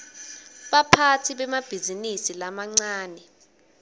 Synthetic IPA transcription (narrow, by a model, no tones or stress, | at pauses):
ɓapʰatʰiɓɛmab̥ʱizinisilamaŋ͡ǀaːnɛ